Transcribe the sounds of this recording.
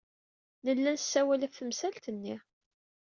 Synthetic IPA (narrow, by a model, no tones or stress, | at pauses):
nəlːænsːæwælæfθəmsælt̪ənːi